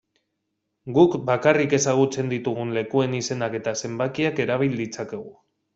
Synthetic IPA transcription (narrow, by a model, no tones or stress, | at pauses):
ɡukbakarike̞saɣ̞ut͡se̞nd̪it̪uɣ̞unle̞kue̞nise̞nake̞t̪ase̞mbakiake̞ɾaβ̞ild̪it͡sake̞ɣ̞u